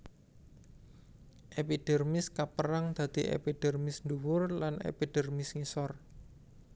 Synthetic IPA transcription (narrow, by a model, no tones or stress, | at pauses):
ʔepid̥ɛ̤rmɪskapəɾaŋd̪̥ä̤d̪̥iʔḛpiɖ̥ɛ̤rmɪsnd̪uwʊrlanḛpiɖ̥ɛ̤rmɪsŋisɔr